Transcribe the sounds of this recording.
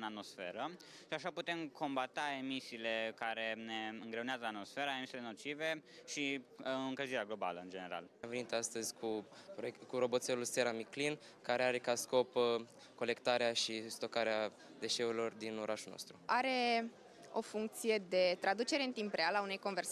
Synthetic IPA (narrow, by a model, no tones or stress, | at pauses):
ɨnat̪mo̞sfe̞̰ɾəʃiaʃaput̪e̞mkʰo̞mbat̪ae̞misiːle̞kaɾe̞ne̞ɨŋɡɾe̞unazəat̪mo̞sfe̞ɾaemisileeno̞t͡ʃive̞ʃiɨŋkəziɾeaɡlo̞ba̰ləɨnd͡ʒene̞ɾa̰lamve̞nit̪ast̪əzʲkʰupɾoekuɾo̞bo̞t̪selulse̞ɾamiklin | kaɾeaɾe̞kasko̞p | ko̞le̞kt̪aɾeaʃist̪o̞kaɾea | d̪e̞ʃe̞uɾilo̞rd̪inoɾʔaʃulno̰st̪ɾuaɾe̞ | o̞fuŋk̚t̪sije̞d̪e̞t̪ɾad̪ut͡ʃe̞ɾe̞ɨnt̪impɾealaunejko̞nve̞rs